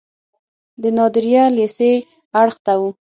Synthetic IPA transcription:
d̪ənɑd̪ɪɾjalese | aɽxt̪awu

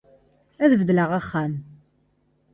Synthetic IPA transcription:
æðvðləʁaχːæm

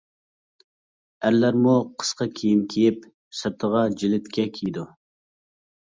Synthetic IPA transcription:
æɾlæɾmuqʰə̥sqɑkʲʰeijimkʲʰejip | sɨɾt̪ʰəʁɑd͡ʒilɪt̪kʲɛkʲʰijid̪u

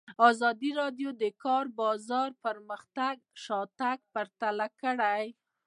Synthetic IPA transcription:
ɑzɑd̪iɾɑɖjod̪əkɑɾbɑzɑɾpəɾməxt̪aɡʃɑt̪aɡ̚pəɾt̪alakəɽaj

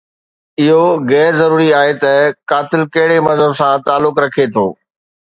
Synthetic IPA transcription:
ɪɦoɣɛːɾzɐɾuːɾiaːɦet̪ɐkaːt̪ɪlkɐɦɪɽemɐzəbsãt̪aːlːʊkɾɐkʰet̪ʰoː

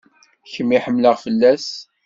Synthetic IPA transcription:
çəmːiħəmːləʁfəlːæs

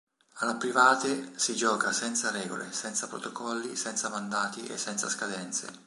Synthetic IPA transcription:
alapɾivaːt̪esid͡ʒɔːkasɛnt̪saɾɛːɡo̰lʔḛsɛnt̪sapɾo̰t̪okɔlːisɛnt̪samand̪aːt̪iʔḛsːɛnt̪sa̰skad̪ɛnt̪sḛ

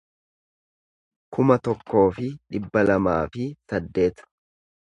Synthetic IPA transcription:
kʊmɐt̪ɔkːo̞ːfɪᶑɪbːɐlɐmaːfɪsɐd̪ːe̞ːt̪ɐ̥

